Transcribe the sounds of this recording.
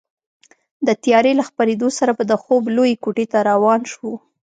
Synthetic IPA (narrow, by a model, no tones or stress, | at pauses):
d̪ət̪jɑɾelaxpaɾed̪osaɾabad̪əxoblojekuʈet̪aɾawɑnʃwu